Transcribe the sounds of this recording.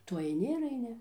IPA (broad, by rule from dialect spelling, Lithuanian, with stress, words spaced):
ˈtʊ ɐɪˈnʲɪ ɪr ɐɪˈnʲɪ